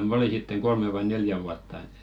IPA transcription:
m olin sitːeŋ kolme ʋɑi neljæ ʋuɑtːɑ et

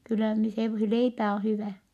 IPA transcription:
kylːæ ni he leipæ on̞ hyʋæˑ

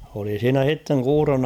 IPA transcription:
oli s̞iːnæ h̞itːeŋ kuːron

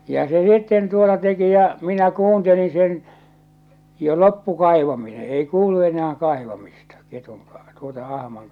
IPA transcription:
jɑ se sitːen tuotɑ teki jɑ minæ kuːntelĩː sen jo lopːu kɑiʋɑmine ei kuːlu enææ kɑi̞ʋɑmistɑ ketuŋ kɑ tuotɑ ɑhmɑŋ

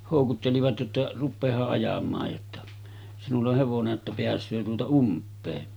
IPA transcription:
hoˑukutːeliʋɑt jotːɑ rupːeːhɑʔ ʔɑjɑmˑɑːj jotːɑ sinulː oh heʋoneʔ ʔetːæ peæsˑøː tuotɑ umpˑeː

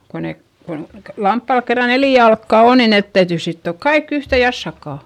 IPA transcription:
ko ne kon lɑmpːɑˑl kerːɑ neli jɑlkːɑ on ni net tæytyˑ sitːoˑk kɑik yhteˑ jɑsːɑkːɑˑ

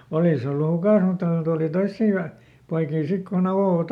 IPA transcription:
oliˑs olːu hukɑˑs mutːɑ kon tuˑli toisːiː jɑ poikiː sik kun ɑʋoˑʋɑt

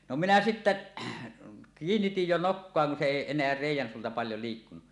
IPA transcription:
no minæ sitːæ kiːnːitij jo nokːoɑ kun se eˑi enˑeæ reˑijˑæn suːltɑ pɑljo likːunu

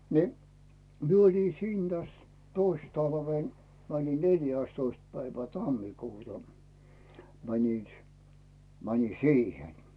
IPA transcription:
ni mie oli siːn tæs tois tɑlʋeˑn mænin neljæˑstoist pæiʋæ tɑmːikuːtɑ mænin̞ s mænin̞ siːhen

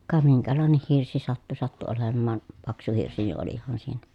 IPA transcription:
kɑ miŋkælɑˑeneh hirsi sɑtːu sɑtːu olemːɑːn pɑksu hirsi ni ʔolihˑɑːn siːnæ

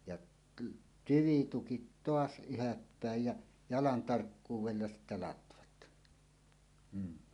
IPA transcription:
jɑʔ tyʋitukit toɑs yhæpːæˑej jæ jɑlɑn tɑrkːuːwelːɑ sitːæ lɑtʋɑt m̩

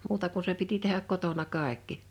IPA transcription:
muːtɑ ku se piti tehæk kotonɑ kɑˑekːi

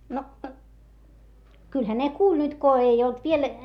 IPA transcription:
no kylhæ ne kuːlʲ nyt ko ei olt ʋiel

